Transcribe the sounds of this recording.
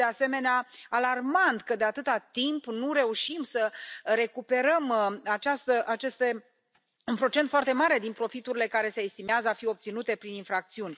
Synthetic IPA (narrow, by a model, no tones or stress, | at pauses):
ease̞me̞neaalarmant̪kəd̪e̞at̪ɨt̪at̪impnuɾe̞uʃimsəɾe̞kupe̞ɾəmat͡ʃast̪əʔat͡ʃest̪e | unpɾo̞t͡ʃent̪foart̪e̞maɾe̞d̪inpɾo̞fit̪uɾile̞kaɾe̞se̞ːst̪imeazəafio̞p̚t̪sinut̪e̞pɾininfɾak̚t̪siunʲ